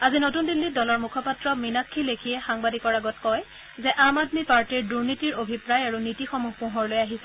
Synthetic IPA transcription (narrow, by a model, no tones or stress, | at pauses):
azinotundilːidɔlɔɹmukʰɔpatɹɔminakʰːilekʰijɛxaŋbadikɔɹaɡɔtkɔj | zɛʔamadmipaɹtiɹduɹnitiɹobʱipɹajaɹunitixɔmuɦpũɦɔɹlojaɦisɛ